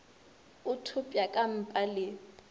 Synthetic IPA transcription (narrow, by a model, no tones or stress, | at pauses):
ʊtʰʊpʼjakʼam̩pʼalɪ